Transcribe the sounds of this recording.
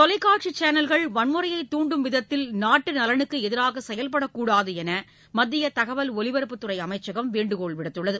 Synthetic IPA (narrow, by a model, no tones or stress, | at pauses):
t̪ɔlɐɪkːaːʈt͡ʃit͡ʃaːnɐlɣɐɭʋɐnmɯɾɐjɐɪt̪ːuːɳɖɯmʋɪðɐt̪ːɪlnaːʈːɯnɐlɐɳɯkːɯɛðɪɾaːɣɐsɛjɐlp̬ɐɽɐkːuːɽaːðɯɛnɐ | mɐd̪ːɪjɐt̪ɐɣɐʋɐlɔlɪʋɐɾɯpːɯt̪ːɯrɐɪɐmɐɪt͡ʃːɐɣɐmʋeːɳɖɯkoːɭʋɪɽɐt̪ːɯɭːɐðɯ